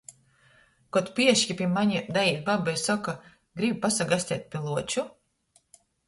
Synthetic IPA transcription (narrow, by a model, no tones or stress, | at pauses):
kɔt̪pʲiɛʃjipʲiɛmaɲid̪ajiːt̪̚babajsɔka | ɡɾibpasaɡasʲt̪ʲɛ̰ːt̪̚pʲiɛlˠuɔt͡ʃu